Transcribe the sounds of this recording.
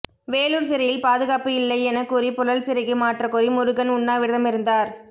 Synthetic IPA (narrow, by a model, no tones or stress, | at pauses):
ʋeːluːɾs̬ɪɾɪjɪlpaːðɯɣaːpɯɪlːɐɪɛnɐkːʊɾipʊɻɐlsɪɾɪɣɯmaːʈrɐkʊɾimʊɾɯɣɐnʊɳːaːʋɪɾɯðɐmɪɾɯnd̪aːɾ